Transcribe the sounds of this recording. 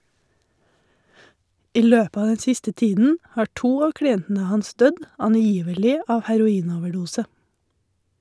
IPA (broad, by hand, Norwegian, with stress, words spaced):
ˈiː ˈløːp ˈɑː ˈdɛn ˈsɪstə ˈtiːdn̩ ˈhɑː ˈʈuː ˈɑː kɽɪˈɛntn̩ə ˈhɑns ˈdœd ɑnˈjiːʋəlɪ ˈɑː hæɾʊˈiːnoːʋəˌɖuːsə